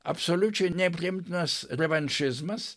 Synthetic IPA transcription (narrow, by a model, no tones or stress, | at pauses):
ɐ̰psolʲut͡ʃɛnʲɛpʲɾʲɪɪmt̪nɐsɾʲɛʋɐnʲʃɪzmɐs